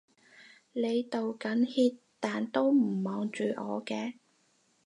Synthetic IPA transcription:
le˨˧jt̪o˨wkɐ˨˥nhiː˧t | t̪aː˨nt̪o˥wm̩˨˩mɔː˨ŋt͡ʃyː˨ʔɔː˨˧kɛː˧

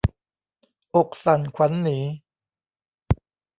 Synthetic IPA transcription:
ʔo˨˩k̚sa˨˩nkʷʰwa˨˥nːiː˩˦

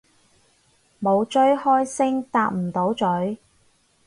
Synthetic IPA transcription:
mo˨˧wt͡ʃɵ˥ɥhɔː˥jsɪ˥ŋt̪aː˧k̚m̩˨˩t̪o˨˥wt͡ʃɵ˨˥ɥ

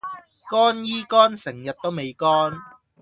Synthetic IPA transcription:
kɔː˥njiː˥kɔː˥nsɪ˨˩ŋjɐ˨t̚t̪o˥wme˨˧jkɔː˥n

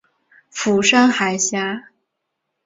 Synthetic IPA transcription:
fu˨˩ʂa˥ŋxa˨˩ɪɕja˥

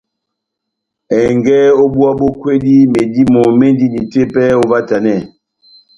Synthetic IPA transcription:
ɛ˨ŋɡɛ˦o˦bu˦a˦bo˦kwe˦di˦me˨di˦mo˨me˦ndi˦ni˨te˦pɛ˦o˦va˦ta˨nɛ˦˨

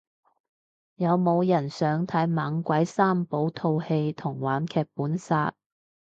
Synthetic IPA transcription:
jɐ˨˧wmo˨˧wjɐ˨˩nsœː˨˥ŋt̪ʰɐ˨˥jmaː˨˥ŋkʷɐ˨˥jsaː˥mpo˨˥wt̪ʰo˧whe˧jt̪ʰʊ˨˩ŋwaː˨˧˥nkʰɛː˧k̚puː˨˥nsaː˧t̚

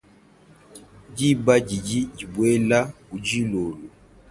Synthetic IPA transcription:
d͡ʒi˦ba˦d͡ʒi˨d͡ʒi˦d͡ʒi˨bwe˦la˦u˨d͡ʒi˦lo˨lo˨

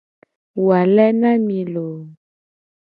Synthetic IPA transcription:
wa˨lɛ˦nã˦mĩ˨lo˨

